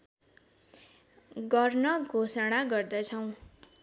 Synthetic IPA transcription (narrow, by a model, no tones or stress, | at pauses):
ɡʌrnʌɡʱosʌɽ̃aɡʌrd̪ʌt͡sʰʌw̃